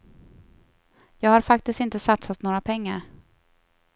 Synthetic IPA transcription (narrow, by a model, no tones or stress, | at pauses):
jɑːɡhaɾfak̚t̪ɪst̪ɪnt̪əsat̪sat̪noːɾapʰɛŋːaɾ